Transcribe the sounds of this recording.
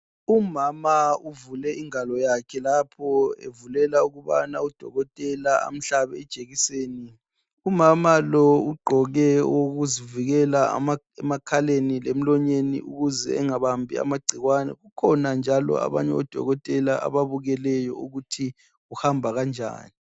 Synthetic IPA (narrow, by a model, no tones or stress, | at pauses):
umamauvulɛiŋalɔjakʰɛlapʰɔḛvulɛlauɣuβa̰naud̥ʱɔ̰ɣɔtʼɛlaa̰m̩ɬaβɛɛd̥ʒ̥ʼeɣiseːni | umamalɔuɡ͡ǃʱɔɣɛoɣuziviɣɛla̰ma | ɛmakʰalenilem̩lɔɲenḭʔṵɣuzɛ̰ːŋaβambʱḭa̰maɡ͡ǀʱiɣwanɛ̰ɣukʰɔnand͡ʒʱalɔ̰a̰βa̰ɲɛɔd̥ʱɔ̰ɣɔtʼɛlaʔa̰βaβuɣɛlɛjɔuɣutʰi | uhambʱaɣand͡ʒʱa̰ːni